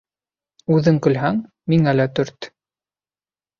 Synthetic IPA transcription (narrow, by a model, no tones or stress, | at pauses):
ʉðɘŋkɵ̆lɦæŋ | miŋælæt̪ɵɾt̪